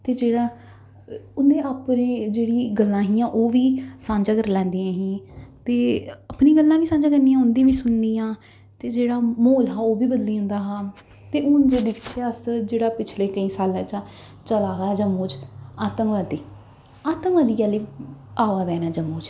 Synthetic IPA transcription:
t̪eːd͡ʒeːɽaː | ʊnd̪eːaːpneːd͡ʒeːɽiːɡəlːãːɦiːãːʔoːʋiːsãːɲd͡ʒaːkəɾlɛ̃ːnd̪iːãːɦĩːt̪eːaːpniːɡəlːãːʋiːsãːɲd͡ʒaːɡəɾniːãːʊnd̪ĩːʋiːsʊnd̪iːjãː | t̪eːd͡ʒeːɽaːmoːlɦaːoːʋiːbəd̪liːʊ̃nd̪aːɦaː | t̪eːʊnd͡ʒeːd̪ɪkʰʃaːsd͡ʒeːɽaːpɪt͡ʃʰleːkəĩːsaːlãːt͡ʃãː | t͡ʃəlaːd̪aːd͡ʒəmːuːd͡ʒaːt̪əŋʋaːd̪iː | aːt̪əŋʋaːd̪iːaːliːaːʋaːd̪ɛːnaːd͡ʒəmːuːd͡ʒ

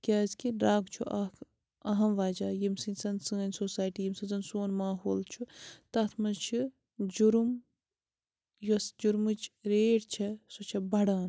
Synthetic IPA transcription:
kʲaːzkiɾaːɡt͡ʃʰuʔɐk | ɐɦɐmʋaːd͡ʒaːjimsinʲsɐnsɨːnʲsoːsaːjʈijimsɨnzɐnsoːnmaːɦoːlt͡ʃʰut̪ɐt̪ʰmɐzt͡ʃʰi | d͡ʒuɾum | josd͡ʒuɾmɨt͡ʃɾeːʈt͡ʃʰɐsot͡ʃʰɐbɐɽaːn

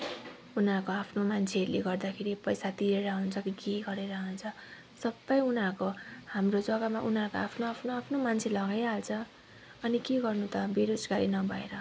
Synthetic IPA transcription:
unakoapʰnomant͡sʰeʌɾuleɡʌrd̪akʰeɾipʌjsat̪iɾeɾʌɦunt͡sʰʌkikeɡʌɾeɾʌɦunt͡sʰʌ | sʌbːʌjunakohamrod͡zʌɡamaʔunɦakoapʰnoapʰnoapʰnomant͡sʰelʌɡajɦalt͡sʰʌ | ʌnikeɡʌrnut̪ʌbeɾod͡zkaɾinʌbʱʌḛɾʌ

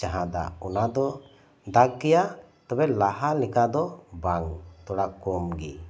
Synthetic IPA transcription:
t͡ʃaɦãd̪a̰ɔnad̪ɔ | d̪aɡkɛjaʔ | t̪ɔbɛlaɦalɛkad̪ɔbaŋt̪ɔɽakɔmɡḭ

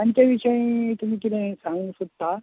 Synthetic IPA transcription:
ant͡ɕjaʋiɕəĩt̪um̤iːk̪it̪ẽsãŋɡũsud̪t̪ːa

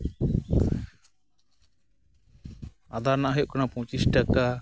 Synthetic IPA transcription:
ad̪aɾnaʔaɦɔjɔʔkanapɔ̃wt͡ʃisʈaka

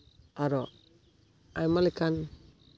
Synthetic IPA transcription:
aɾɔ | ajmalikan

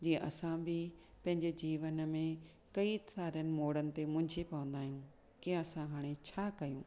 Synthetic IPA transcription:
d͡ʑiːə̃ʔɐsãbɪ | pɐ̃ɦɪ̃ɲd͡ʑed͡ʑiːʋənmẽ | kɐit̪aːɾənɪ̆moːɽənɪ̆t̪emʊ̃ɦɪ̃ɲd͡ʑʱipɐʋə̃nd̪aːɦijũ | kiə̃ɐsãɦaːɽ̃et͡ɕʰaːkɐjũː

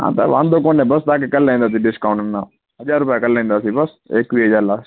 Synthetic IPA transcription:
ɦã̰ːt̪a̰ʋã̰ːnd̪oːkoːnẽːbəst̪aːkekəlːaːĩnd̪aːsiɖɪskaːʊ̃ɳʈnːãː | ɦəd͡ʒaːɾːʊpjakəlːaːĩːnd̪aːsiːbəs | eːkʋiːɦəd͡ʒaːɾlaː

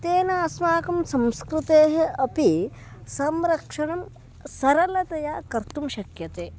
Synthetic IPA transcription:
t̪eːnɐɐsmaːkɐmsɐmskɾut̪eːɦeɐpi | sɐmɾɐkʂɐɳɐm | sɐɾɐlɐt̪ɐjaːkɐɾt̪umʃɐkjɐt̪eː

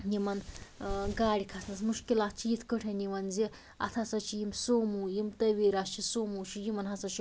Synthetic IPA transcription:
jimɐn | ɡaːɽʲikʰasnɐsmuʂkilat̪̚ʰt͡ʃʰijit̪ʰkəʈʰeniʋɐnze | ɐ̰t̪ʰasɐt͡ʃʰijimsomujimt̪ɐʋiɾast͡ʃʰisomut͡ʃʰijimɐnɦɐsɐt͡ʃi

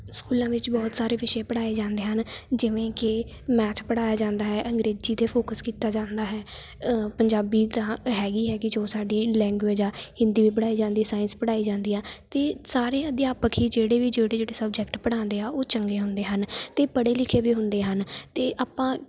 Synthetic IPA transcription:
skuːlãːʋɪt͡ʃbɔːt̪saːɾeːʋɪʃẽːpəɽaːeːd͡ʒãːnd̪eːɦənd͡ʒɪʋẽːkɪ | mɛːt͡ʃʰpəɽaːjaːd͡ʒãːnd̪aːɦɛːʔəŋɡɾeːd͡ʒd͡ʒiːt̪eːpʰoːkəskiːt̪aːd͡ʒãːnd̪aːɦɛː | pəɲd͡ʒaːbiːt̪ãːɦɛːɡiːɦɛːɡɪd͡ʒoːsaːɖiːlɛ̃ːŋɡʋed͡ʒaːhɪ̃nd̪iːʋiːpəɽaːiːd͡ʒãːnd̪iːsaːɪnspəɽaːiːd͡ʒãːnd̪iːaːt̪eːsaːɾẽːəd̪jaːpəkʰiːd͡ʒeːɽeːʋiːd͡ʒeːɽeːd͡ʒeːɽeːsəb̚d͡ʒɛːkʈpəɽãːnd̪eːaːʔoːt͡ʃəŋɡeːɦʊnd̪eːɦənt̪eːpəɽeːlɪkʰeːʋiːɦʊnd̪eːɦənt̪eːʔaːpːãː

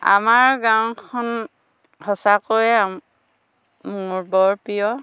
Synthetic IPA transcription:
a̰maɹɡaw̃kʰɔn | hɔsakojam | uɹbɔɹpijɔ

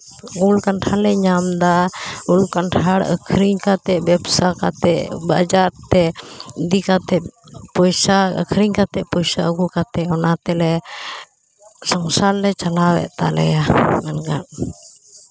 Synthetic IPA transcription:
ulkanʈʰalɛɲamd̪aulkanʈʰaɽə̰kʰɾiɲkat̪ɛbɛbsakat̪ɛʔbad͡ʒaɾt̪ɛd̪ikat̪ɛpɔjsaə̰kʰɾiɲkat̪ɛʔpɔjsa̰əɡukat̪ɛɔnat̪ɛlɛ | sɔŋsallɛt͡ʃalawɛ̰ʔt̪a̰lɛ̰jamɛnɡa̰ʔ

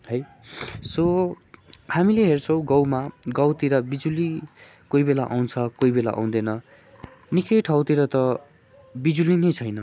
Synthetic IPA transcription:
ɦʌj | so | hamileɦert͡sʰʌw̃ɡʌwmaɡʌwt̪iɾʌbid͡zuli | koibelaʔa̰w̃nt͡sʰʌkoibela̰ʔã̰w̃d̪enʌ | nikʌjʈʰʌwt̪iɾʌt̪ʌ | bid͡zulinʌjt͡sʰʌjnʌ

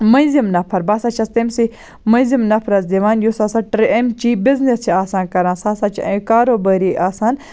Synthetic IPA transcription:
mɐ̃nzimnɐpʰɐɾbaːsaːt͡ʃʰɐst̪ɐmsi | mɐ̃nzimnɐpʰɾɐzd̪iʋaːnjusasaʈɾemt͡ʃibiznest͡ʃʰiaːsaːnkɐɾãːnsaːsaːt͡ʃʰkaːɾoːbɐːɾiʔaːsaːn

